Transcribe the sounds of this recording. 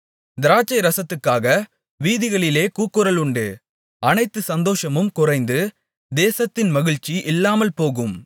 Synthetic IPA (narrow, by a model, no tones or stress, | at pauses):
d̪ɪɾaːt͡ʃːɐɪɾɐsɐt̪ːɯkːaːɣɐ | ʋiːðɪɣɐɭɪleːkuːkːɯɾɐlʊɳɖɯ | ɐnɐɪt̪ːɯsɐnd̪oːʂɐmɯmkʊrɐɪnd̪ɯ | d̪eːsɐt̪ːɪnmɐɣɪɻt͡ʃːiʔɪlːaːmɐlpoːɣɯm